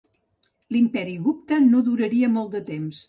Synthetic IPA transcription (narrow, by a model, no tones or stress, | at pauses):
limpɛɾiɣup̚t̪ənoðuɾəɾiəmolˠt̪d̪ət̪ems